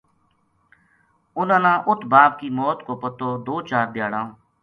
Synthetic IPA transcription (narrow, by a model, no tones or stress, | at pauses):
ʊnãːnãːʔʊt̪ʰbaːp̚kiːmɔːt̪koːpət̪oːd̪oːt͡ʃaːɾb̪ɪjaːɽãː